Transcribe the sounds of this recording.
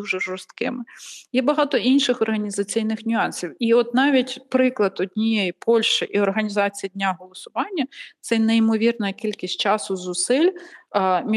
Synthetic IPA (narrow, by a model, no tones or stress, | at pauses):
uʒɛʒɔrst̪kɪ̰mɪjɛbɐɦɑt̪ɔʔinʃɪxɔrɦɐnʲizɐt͡sʲijnɪxnʲʊɑnsʲiwiɔt̪nɑʋʲitʲpɾɪklˠɐd̪ɔdʲnʲijejipʰɔlʲʃt͡ʃɪʔiɔrɦɐnʲizɑt͡sʲijɐdʲnʲaɦɔlˠɔsʊʋɑnʲːɐt̪sɛjneimɔʋʲirnɐkʲilʲkʲisʲtʲt͡ʃɑsʊzʊsɪlʲ | mʲ